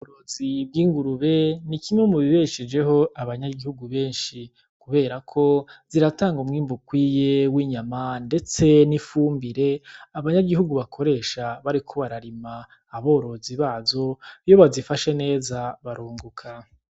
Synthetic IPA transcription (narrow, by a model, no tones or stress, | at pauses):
βoɾo̞zib̚ɡiːŋɡuɾuβe̞nikimemuβiβeʃid͡ʒe̞ɦo̞ʔaβaɲaɡihuɡuβe̞ːnʃi | kuβe̞ːɾakʰo̞z̥iɾataːŋɡomŋiːmbukwiːjewiːɲamande̞t͡se̞nifuːmbiɾe̞aβaɲaɡiɦuɡuβakʰo̞ɾe̞ːʃaβaɾikʰo̞βaɾaɾimaː | βo̞ːɾo̞ziβaːzo̞jo̞βazifaʃe̞ne̞ːzaβaɾuːŋɡukʰa